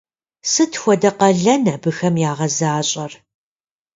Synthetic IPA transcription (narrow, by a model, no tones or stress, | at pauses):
sɨtʰxʷɔdɐqɐɮɐnɐbɨxɐmjaːʁɐzaːɕʼɐr